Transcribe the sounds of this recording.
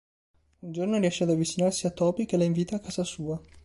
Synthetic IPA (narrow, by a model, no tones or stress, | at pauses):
und͡ʒornoriɛʃːead̪avːit͡ʃinarsiat̪ːɔːpikelaiɱviːt̪aːkːaːzasuːa